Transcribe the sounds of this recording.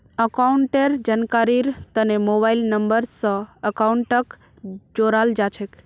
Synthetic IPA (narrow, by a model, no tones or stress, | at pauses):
əkauɳʈeɾd͡ʒankaɾiɾt̪ənemobailnəmbəɾsəəkauɳʈək | d͡ʒoɾald͡ʒat͡ʃʰek